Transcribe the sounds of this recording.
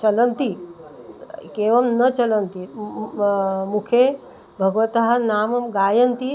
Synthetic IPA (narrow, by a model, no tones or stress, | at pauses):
t͡ʃɐlɐnt̪i | keːʋɐmnɐt͡ʃɐlɐnt̪i | mukʰe | bʱɐɡʋɐt̪ɐɦɐnaːmɐmɡaːjɐnt̪i